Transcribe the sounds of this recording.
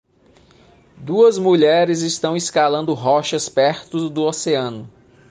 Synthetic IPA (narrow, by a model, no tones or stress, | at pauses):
d̪uɐzmuʎɛɾɪzɪst̪ɐ̃w̃eskalɐ̃nd̪ʊɦɔʃɐspɛɾt̪ʊzd̪ʊoseɐ̃nʊ